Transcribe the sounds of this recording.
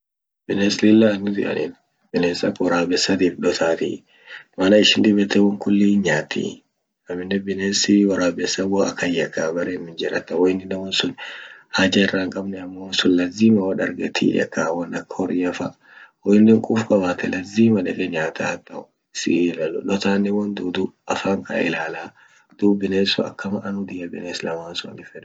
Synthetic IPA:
b̥ɪneslɪlːanːʊzɪ̰ʔɐ̰nin | bɪneːsɐkːwɐɾaːbɛsːɐt̪ifᶑɔt̪aːt̪ḭ | mɐlɐɪʃɪnd̪ɪbɛt̪ːɛwɐŋkʊlːiːɲaːt̪ːḭ | ɐmɪnːɛbɪnesiwɐɾaːbɛsːɐwɔɐkːɐjɐkːaːbɐɾemːɪnd͡ʒɪɾɐ̰t̪ːɐwɔɪnːɪnːɛwɐnsʊnhad͡ʒɐɪrːaːŋkʼɐbnɛɐmːɔwɐnsʊnlɐziːmɐwɐᶑɐɾɡɛt̪ʰḭːjɐ̰kːaːwɐnɐkːɐɔɾɪɐfa | wɔjɪnːɪŋkʼufkʼɐbaːt̪ʰɛlɐziːmɐᶑɛkʼɛɲaːt̪ʰat̪ʼːɐʊ | sɪ̰ʔlɐlʊ̰ᶑɔt̪aːnːɪwɐnd̪uːd̪ʊɐfaːŋkʼa̰ɪ̰laːlaː | d̪̥uːbɪneːsʊɐ̰kːɐmɐʔɐnʊd̪ɪjɐbɪ̰neːslɐmaːnsʊɐ̰nɪfɛᶑ

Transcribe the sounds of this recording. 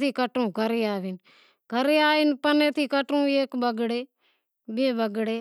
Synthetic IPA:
t̪ʰiːkəʈũːɡʱəɾeːaːʋin | ɡʱəɾeːaːʋinpəneːt̪ʰiːkəʈũːeːkbəɡɽeː | beːbəɡɽeː

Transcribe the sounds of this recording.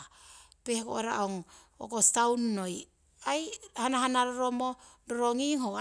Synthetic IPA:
pehko̰ʔeɾa̰ʔoŋ | o̰kostawnːo̞j | ajhanaɦanaɾoɾo̞mo | doɾoŋiŋo

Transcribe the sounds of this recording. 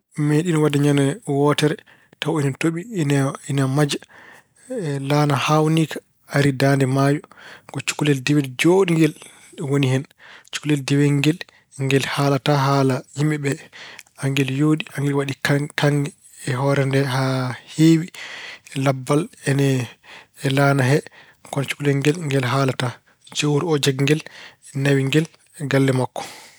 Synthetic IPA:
meɗinɔwadaɲanɛwɔtɛɾɛ | tawɛnɛtoɓininamad͡ʒa | lanahawnikʰḁ | aɾidandɛmaːjɔɡɔt͡ʃu̥kulɛldɛwɛld͡ʒoɗiŋɡɛl | ɗwonihɛnt͡ʃu̥kulɛldɛwɛŋɡɛl | ŋɡɛlhaːlataɦalajimɛɓɛaŋɡɛljoːɗiaŋɡɛlwaɗikakaŋɡɛː | ɦɔɾɛndɛhaheːwilabːalɛnɛː | lanaɦɛ | kɔnt͡ʃu̥kulɛŋɡɛlŋɡɛlɦaːlata | d͡ʒowɾiɔd͡ʒaɡŋɡɛlɛnawiŋɡɛl | ɡalːɛmakːɔ̥

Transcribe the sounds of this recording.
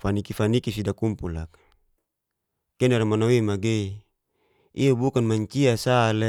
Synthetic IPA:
fanikifanikisidakumpulakḁ | keneɾamanawemaɡei | iabukanmaɲt͡ʃiasale

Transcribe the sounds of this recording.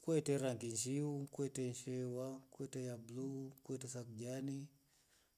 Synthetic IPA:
kwɛtɛɾaŋɡinʃiukwɛtɛɲʃɛwakɛtɛjablukwɛtɛsakud͡ʒani

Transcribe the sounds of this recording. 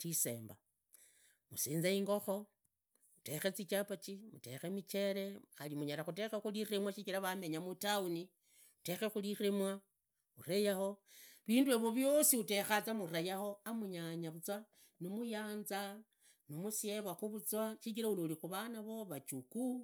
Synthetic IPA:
tise̞̰ːmba | musiːnzaiŋɡo̞xo̞ | mute̞xe̞t͡sit͡ʃapat͡ʃimute̞̰xemit͡ʃe̞ɾe̞alimuɲaɾaxutexexuliremwaʃit͡ʃiɾaβame̞ɲamutauni | u̥te̞xexuliremwa | uɾejaho̞βiːndueβo̞βjo̞siute̞xat͡samuɾajaho̞amuɲaɲaβut͡swa | nomujaːnza | nomusieβwaxuβut͡swaʃikiɾaulolixuβanaβoβat͡ʃuku

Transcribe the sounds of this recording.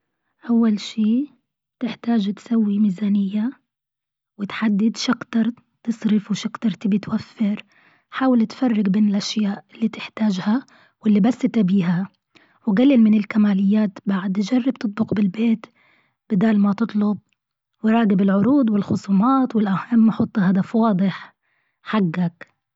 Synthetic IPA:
ʔawːalʃiː | t̪ɪħt̪aːʒt̪sawːimiːzaːnɪjːa | wɪt̪ħad̪ːɪd̪ʃakt̪ɑɾˤ | t̪ɨsˤɾɪfwɪʃɑkt̪ɑɾˤt̪ɪbit̪wafːɪɾ | ħaːwɪlt̪fɑrˤːɪɡbeːnɪlʔaʃjaːʔɪlːit̪ɪ̥ħt̪aːʒha | wɪlːibasːɪt̪abiːɦa | wɡalːɪlmɪnɪlkamaːlɪjːaːt̪baʕad̪d͡ʒarˤːɪb̚t̪ɨt̪̚ˤbʊqbɪlbeːt̪ | b̥ɪd̪aːlmat̪ɨt̪ˤlʊb̚ | wɪɾˤɑːɡɪbɪlʕʊɾuːd̪wɪlxʊsˤuːmɑːt̪wɪlʔahamːħɑt̪ˤːhɑɦad̪afwɑːd̪ˤɪħ | ħaɡːak

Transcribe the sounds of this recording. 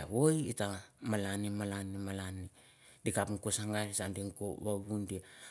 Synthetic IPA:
aβojitamalanimalanimalani | dikapŋkosaŋɡaɾisandiŋkoβaβundi

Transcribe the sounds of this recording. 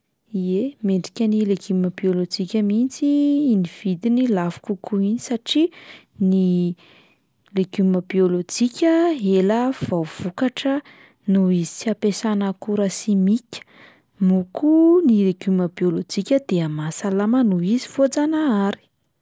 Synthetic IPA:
iemeɳɖ͡ʐi̥kʲənileɡyməbiolod͡ʒikʲəmint͡siːniv̥id̪inilavu̥kukʰuinisaʈ͡ʂi | ni | leɡ̥yməbiolod͡ʒikʲəɦeləv̥awv̥ukaʈ͡ʂə | nuizisiapesanəkuɾəsimikʲə̥ | mukunileɡ̥uməbiolod͡ʒikʲəd̪̥eamasalamənuizi̥fod͡zanaaɾi̥

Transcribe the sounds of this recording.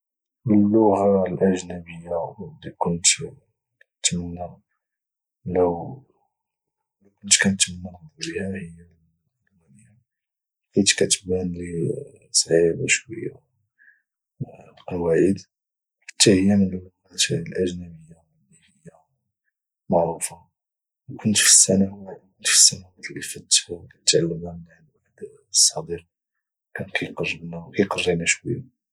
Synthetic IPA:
məlːuhɑɾlʔæʒnæbəjːawd̪ikʊnt̪ | t̪mənːæ | ləw | ləkʊnt̪kænt̪mnːənbˤbihæhəjːæ | mæni | ħit̪kæt̪bænli | sˤʕibaʃwəjːa | qwæjəd̪ | fə̥t̪ːæhəjːamənəl | æt̪æəlʔæʒnæməjːawːihəjːa | mɑʕɾufɑ | wkʰʊnt̪fi̥sːænawætkʊnt̪fi̥sːænæwæt̪lifət̪ːawkæt̪t̪ːʕalːəmhæmnaʕlwaħd̪ | sˤːɑd̪iq̚ | kænkʰæjqɑrˤːəbnawkæjqɑrˤːinæʃwə̰jːa

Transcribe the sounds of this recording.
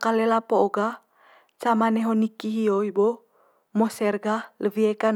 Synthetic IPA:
kalɛlapoːɡa | t͡ʃamanɛɦonikiɦioibo | mɔsɛrɡaləviekan

